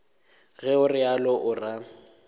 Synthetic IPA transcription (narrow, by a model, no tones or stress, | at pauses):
ɣɛʊrɪalɔʔʊra